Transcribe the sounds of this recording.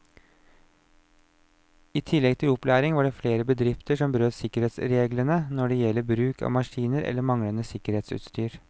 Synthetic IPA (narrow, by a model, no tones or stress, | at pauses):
iːt̪ʰɪlːɛɡ̚t̪ʰɪlɔplæːɾɪŋʋɑɖɛːfleːɾəbəd̪ɾɪft̪əʂɔmbəɾøːt̪sɪkəɾeːt̪sɾeːɡlənənɔɖɛjɛlːəɾbɾʉːkʰɑ̰ːʋmɑʂiːnəɾʔɛ̰lːəmɑŋlənəsɪkəɾeːt̪sʉ̰ːt̪st̪yːɾ